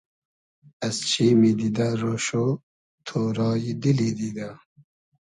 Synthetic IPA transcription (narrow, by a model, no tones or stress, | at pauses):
ɐzt͡ɕʰiːmid̪id̪aɾoʃo | t̪ʰoːɾɑːjid̪ilid̪id̪a